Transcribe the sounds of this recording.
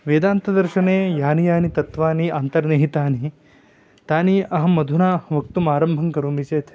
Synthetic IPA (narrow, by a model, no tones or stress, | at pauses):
ʋeːd̪aːnt̪ɐd̪ɐɾʃɐneːjaːnijaːnit̪ɐt̪ʋaːniaːnt̪ɐɾneɦit̪aːni | t̪aːniʔɐɦɐmɐd̪ʱunaːʋɐk̚t̪umaːɾɐmbʱɐŋkɐɾuːmit͡ʃeːt̪ʰ